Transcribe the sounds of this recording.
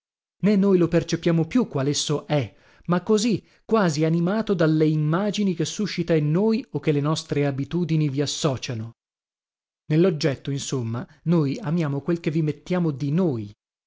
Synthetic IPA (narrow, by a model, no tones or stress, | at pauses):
nenːojlopert͡ʃepjaːmopjukːwalesːoʔɛ | makːozi | kːwaːzianimaːt̪od̪alːeimːaːd͡ʒinik̟esːuʃːit̪ainːoːjokːelenɔst̪ɾeabit̪uːd̪iniviasːɔːt͡ʃano | nelːod͡ʒːɛt̪ːoinsomːanojamjaːmokwelk̟evimet̪ːjaːmod̪inoːj